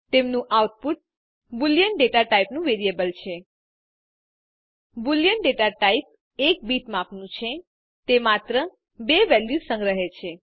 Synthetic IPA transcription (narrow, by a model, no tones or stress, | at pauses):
t̪emnũʔauʈ̚puʈ̚ | buljəɳɖeʈaʈaipnũʋeɾijebəlt͡ʃʰe | bulijəɳɖeʈaʈaip̚ | ek̚biʈmãpnũt͡ʃʰe | t̪emat̪ɾə | beʋɛljusə̃ŋɡɾəɦet͡ʃʰe